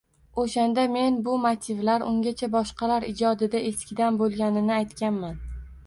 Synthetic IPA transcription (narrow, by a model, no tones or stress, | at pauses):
oʃand̪ame̞nbʊmat̪ʰɪvlaɾʊŋɡʲat͡ʃʰabɒʃqɑlaɾɪd͡ʒɒd̪ɪd̪aʔe̞skʲɪd̪anbolˠɡʲanɪnɪajt̪kʲanman